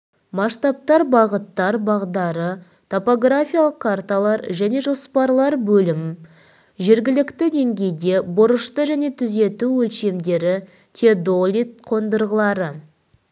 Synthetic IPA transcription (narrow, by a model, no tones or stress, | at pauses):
mɑʃt̪ɑp̚t̪ɑɾbɑʁət̪ːɑɾbɑʁd̪ɑɾə | t̪ʰo̞po̞ɡrafʲijalˠəqkʰːart̪alˠɑɾʒæne̞ʒo̞spɑɾlˠɑɾbɵlɪm | ʒe̞ɾɡʲɪlɪkt̪ɪd̪e̞ŋɡʲe̞jd̪e̞bʊɾəʃt̪əʒæne̞t̪ʰʏze̞t̪uwɵlʃe̞md̪e̞ɾɪ | t̪ʲʰed̪o̞lʲit̪̚qʰo̞nd̪əɾʁəlˠɑɾə